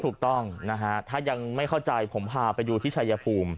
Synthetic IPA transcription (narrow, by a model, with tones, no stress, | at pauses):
tʰuː˨˩k̚t̪ɔ˥˩ŋna˦˥kʰa˦˥t̪ʰaː˥˩ja˧ŋma˥˩jkʰa˥˩wt͡ɕa˧jpʰo˩˦mpʰaː˧pa˧jduː˧t̪ʰiː˥˩t͡ɕʰa˧ja˧pʰuː˧m